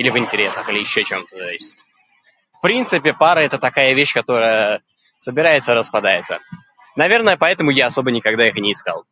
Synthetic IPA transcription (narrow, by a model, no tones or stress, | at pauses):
ilʲɪvɨnʲtʲɪɾʲe̞səxɨlʲɪjɪɕːot͡ɕemt̪ət̪oɪsʲtʲ | fpɾʲint̪sɨpʲɪpaɾəɛt̪ət̪ɐkajəvʲeɕːkɐt̪o̞ɾəjə | səbʲɪɾajɪt̪səɾəspɐd̪ajɪt̪sə̰ | nɐvʲe̞rnəjəpɐɛt̪əmʊjaɐso̞bənʲɪkɐɡd̪aixnʲɪːskɑ̰lˠ